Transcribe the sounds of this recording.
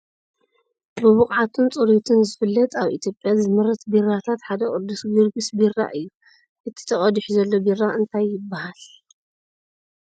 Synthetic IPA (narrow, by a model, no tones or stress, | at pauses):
bɨβʊχʼʕat̪ʰɨnt͡sʼɨɾut̪ʰɨnzɨfɨlːɐt̪ʰaβʔḭt̪ʰjo̞pʼjazɨmɨɾɐt̪birːat̪ʰat̪ħad̪ɐkʼɨd̪usɡɨɾɡɨsbira̰ʔɨjːu | ʔɨt̪ʰi̥t̪ʰɐχʼɐd̪ɨħzɐlːo̞birːaʔɨnt̪ʰajːɪbːahal